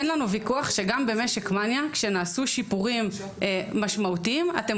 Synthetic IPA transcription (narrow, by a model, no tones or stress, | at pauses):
enlanuvikuaχʃe̞ɡambe̞meʃekmanjakʃe̞naːsuʃipuʁimː | aʃmautiima̰te̞